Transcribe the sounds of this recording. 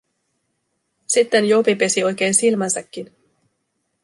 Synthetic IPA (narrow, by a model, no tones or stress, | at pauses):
sit̪ːenjo̞pipe̞sio̞jk̟e̞ːnsilmɑnsɑkːin